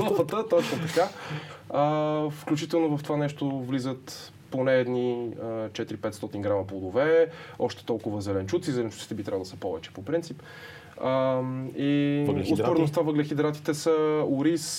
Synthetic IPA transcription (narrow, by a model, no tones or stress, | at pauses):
fət̪ət̪ɔt͡ʃnot̪ɐka | əfklʲut͡ʃit̪ɛlˠnovəft̪ovanɛʃt̪ovlizət̪ | ponɛːd̪niət͡ʃɛt̪iɾipɛt̪st̪ɔt̪inɡɾamɐplˠod̪ovɛɔʃt̪ɛ̥t̪ɔlˠkʊvəzɛlɛnt͡ʃut̪sizɛlɛnt͡ʃu̥t̪i̥t̪ɛbit̪ɾʲabvˠlˠd̪səpɔvɛ̰t͡ʃɛ̥popɾint̪sip | əiʊspoɾɛnost̪avəɡlɛxid̪ɾat̪i̥t̪ɛsəuɾis